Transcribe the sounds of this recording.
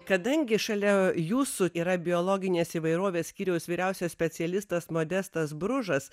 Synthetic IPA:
kɐd̪ɐŋʲɡʲɪʃɐlʲɛjuːsuiːɾɐbʲɪoːlˠoːɡʲɪnʲeːsiːʋɐɪɾoːʋʲeːssʲkʲiːɾʲɛʊsʋʲiːɾʲɛʊsʲɛssʲpʲɛsʲɪɛlʲɪst̪ɐsmoːd̪ʲɛst̪ɐsbɾʊʒɐs

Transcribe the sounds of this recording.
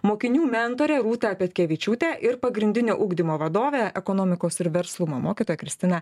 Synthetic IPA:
moːkʲɪnʲuːmʲɛnt̪oːɾʲɛːɾuːt̪ɑpʲɛt̪ʲkʲɛʋʲɪt͡ʃʲuːt̪ʲɛʔɪɾpɐɡɾʲɪnʲd̪ʲɪnʲoːʔʊɡd̪ʲɪmoːʋɐd̪oːʋʲeːɛkonoːmʲɪkoːsɪɾʋʲɛɾslˠʊmoːmoːkʲit̪oːjɛkɾʲɪsʲt̪ʲɪnɑ

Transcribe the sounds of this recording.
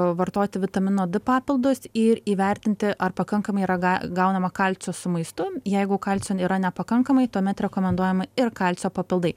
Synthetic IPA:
ʋɐɾt̪oːt̪ʲɪʋʲɪt̪ɐmʲɪnoːd̪ɪpɑːpʲɪlˠd̪ʊsɪɾiːʋʲɛɾʲt̪ʲɪnʲt̪ʲɪʔɐrpɐkɐŋkɐmɐɪiɾɐɡɐɡɐʊnɐmɐkɐlʲt͡sʲoːsʊmɐɪst̪ʊjɛɪɡʊkɐlʲt͡sʲoːiːɾɐnʲɛpɐkɐŋkɐmɐɪt̪uːmʲɛt̪ɾʲɛkoːmʲɛnd̪uɔjɛmɐɪrkɐlʲt͡sʲoːpɐpʲɪlˠd̪ɐɪ

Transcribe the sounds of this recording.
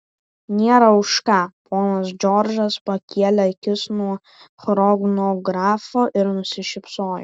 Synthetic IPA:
nʲeːɾɐʊʃkɑːpʰoːnɐs̬d͡ʒʲɔɾʲd͡ʒɐspɐkʲiɛlʲɛɪkʲɪsnuɔ | xɾɔɡnoɡɾɑːfoːʔɪɾnʊsʲɪʃʲɪpsoːjʊ

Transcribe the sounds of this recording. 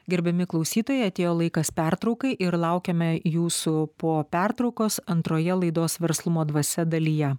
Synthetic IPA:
ɡʲɛɾʲbʲɛmʲɪklˠɒʊsʲiːt̪oːjɛɪɐt̪ʲeːjoːlˠɐɪkɐspʲæɾt̪ɾɒʊkɐɪʔɪɾlˠɐʊkʲɛmʲɛjuːsʊpoːpʲæɾt̪ɾɒʊkoːsɐnt̪ɾoːjɛlˠɐɪd̪oːsʋʲɛɾslˠʊmoːd̪ʋɐsʲɛd̪ɐlʲiːjɛ

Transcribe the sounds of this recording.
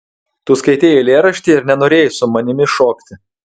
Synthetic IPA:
t̪uːskɐɪt̪ʲeːjolʲeːɾɐʃʲt̪ʲɪɪɾnʲɛnoːɾʲeːjsʊmɐnʲɪmʲɪʃoːkt̪ʲɪ

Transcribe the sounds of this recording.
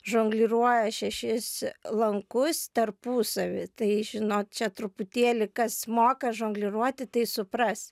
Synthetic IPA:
ʒoːŋɡlʲɪɾuɔjɛʃʲɛʃʲɪslˠɐŋkʊst̪ɐrpuːsɐʋʲɪt̪ɐɪʒʲɪnoːt̪t͡ʃʲɛt̪ɾʊpʊt̪ʲeːlʲɪkɐsmoːkɐʒoːŋɡlʲɪɾuɔt̪ʲɪt̪ɐɪsʊprɐs

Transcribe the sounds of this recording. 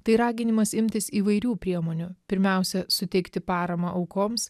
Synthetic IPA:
t̪ɐɪɾɑːɡʲɪnʲɪmɐsɪmʲt̪ʲɪsiːʋɐɪɾʲuːpʲɾʲiɛmoːnʲʊpʲɪɾʲmʲɛˑʊsʲɛsʊt̪ʲɛɪkt̪ʲɪpɑːɾɐmɐʔɐʊkoːms

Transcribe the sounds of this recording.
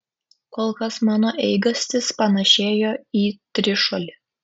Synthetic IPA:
koːlˠkɐsmɑːnoːʔɛɪɡɐsʲt̪ʲɪspɐnɐʃʲeːjoːiːt̪ʲɾʲɪʃolʲɪ

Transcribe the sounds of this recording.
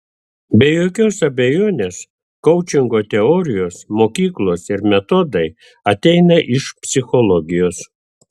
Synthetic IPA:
bʲejoːkʲoːsɐbʲɛjoːnʲeːs | kɔʊt͡ʃʲɪŋɡoːt̪ʲɛɔɾʲɪjoːsmoːkʲiːklˠoːsɪɾmʲɛt̪ɔd̪ɐɪ | ɐt̪ʲɛɪnɐʔɪʃpʲsʲɪxɔlˠɔɡʲɪjoːs

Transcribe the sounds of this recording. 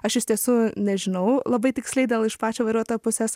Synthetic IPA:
ɐʃɪʃʲt̪ʲiɛsuːnʲɛʒʲɪnɐʊlˠɐbɐɪt̪ʲɪksʲlʲɛɪd̪ʲeːlˠɪʃpɑːt͡ʃʲoːʋɐɾʲuɔt̪oːjoːpʊsʲeːs

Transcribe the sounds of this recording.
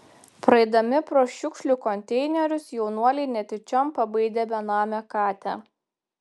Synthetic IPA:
pɾɐɛɪd̪ɐmʲɪpɾoːʃʲʊkʃʲlʲuˑkɔnʲt̪ʲɛɪnʲɛɾʲʊsjɛʊnuɔlʲɛɪnʲɛt̪ʲɪt͡ʃʲɔmpɐbɐɪd̪ʲeːbʲɛnɑːmʲɛkɑːt̪ʲæ

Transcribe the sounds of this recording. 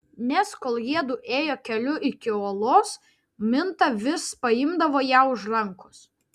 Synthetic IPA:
nʲɛskoːlˠjiɛd̪uːʔeːjoːkʲɛlʲʊʔɪkʲɪoːlˠoːs | mʲɪnt̪ɐʋʲɪspɐɪmd̪ɐʋoːjæʊʒɾɐŋˑkʊ̥s

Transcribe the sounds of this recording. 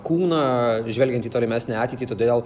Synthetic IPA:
kuːnɐːʒʲʋʲɛlʲɡʲɛnt̪iːt̪oːlʲɪmʲæːsʲnʲɛɑːtʲɛɪt̪ʲiːt̪oːdʲeːlˠ

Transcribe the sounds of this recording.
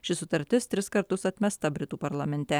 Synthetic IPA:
ʃʲɪsʊt̪ɐɾʲt̪ʲɪst̪ʲɾʲɪskɐɾt̪ʊsɐt̪ʲmʲɛst̪ɐbʲɾʲɪt̪uːpɐɾlˠɐmʲɛnʲt̪ʲɛ

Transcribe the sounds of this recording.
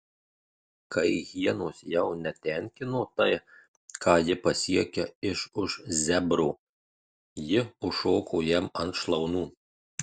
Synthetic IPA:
kɐɪɣʲiɛnoːsjɛʊnʲɛt̪ʲɛŋʲkʲɪnoːt̪ɐɪ | kɑːjɪpɐsʲiɛkʲɛɪʃʊʃzʲɛbɾoː | jɪʊʃoːkʰoːjɛmɐnt̪ʃlˠɒʊnuː

